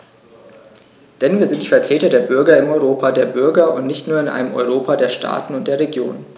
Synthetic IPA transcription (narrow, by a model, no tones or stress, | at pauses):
d̥ɛnviːɐzɪntd̥iːfɛɐtʁ̥eːtɐdeːɐbʏɐɡɐɪmɔʏʁoːpʰaːdeːɐbʏɐɡɐʊ̰ntnɪçtnuːɐɪnʔa̰ɪnəmʔɔ̰ʏʁ̞oːpʰadeːɐʃtʰa̰ːtn̩ʊntd̥eːɐʁeɡjo̰ːn